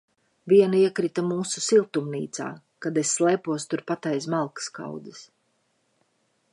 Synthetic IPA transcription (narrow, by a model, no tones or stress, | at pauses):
viɛnaiɛkɾit̪amuːsusilˠt̪umnḭːt̪sa̰ː | kad̪esʲːlˠɛːpuɔst̪uɾpat̪ɛjsmalˠkə̥ska̰wd̪ɨs